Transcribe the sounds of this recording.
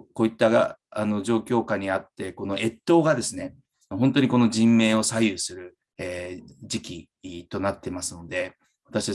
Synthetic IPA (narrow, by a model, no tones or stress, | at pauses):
ko̞ːit̪ːaaano̞d͡ʑo̞ːkʲo̞ːkaɲ̟iat̪ːe̞ko̞no̞ʔe̞t̪ːo̞ːɡad̪e̞sɨne̞ | ɦo̞nt̪o̞ɲ̟iko̞no̞ʑĩmːe̞ːo̞sajɯsɨɾɯ̟ | eːd͡ʑikʲi | t̪o̞nat̪ːe̞masɨno̞d̪e̞ | βat̪aɕit̪a